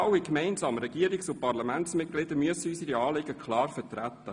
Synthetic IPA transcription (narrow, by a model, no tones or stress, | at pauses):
ɑwikmɛɪnzɑːməɾɛɡ̥iːəɾɪksʊpɑʁlɑmænt̪smɪt̚ɡ̥lɪd̪əmyəsəysiɾiɑːlɪɡəkχlɑːɾfətɾæt̪ːə